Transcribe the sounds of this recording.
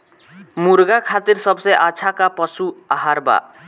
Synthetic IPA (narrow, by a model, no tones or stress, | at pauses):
muɾɡakʰat̪iɾsʌbseʔat͡ʃʰakapʌsuaɦaɾba̰